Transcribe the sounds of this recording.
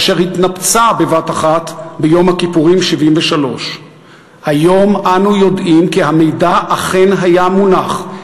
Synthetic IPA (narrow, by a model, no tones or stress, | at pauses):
ʃeʁhit̪napt͡sabe̞vataχatbejo̞mhakipuʁimʃivimveʃalo̞ʃ | hajo̞mʔanujo̞dʔimkihame̞jdaʔːχe̞nɦajamunaχ